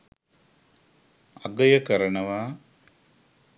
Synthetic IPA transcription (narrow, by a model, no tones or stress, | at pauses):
ɐɡɐjɐkɐɾɐɳɐʋaː